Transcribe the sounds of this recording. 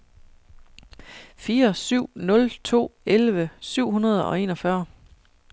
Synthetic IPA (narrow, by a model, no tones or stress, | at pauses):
fiːɐɐsyʊ̰nɔ̽lt͡sʰo̝̰ːelʋəsyʊ̰ɦunɐð̞ˠɒ̽e̝̰ːnɒ̽fɶɐ